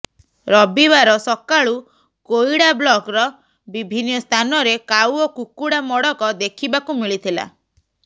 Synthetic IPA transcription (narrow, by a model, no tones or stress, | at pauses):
ɾɔbibaɾɔsɔkaɭu | kojɽablɔkɾɔ | bibʱinːɔst̪ʰanɔɾekawɔkukuɽamɔɽɔkɔd̪ekʰibakumiɭit̪ʰila̰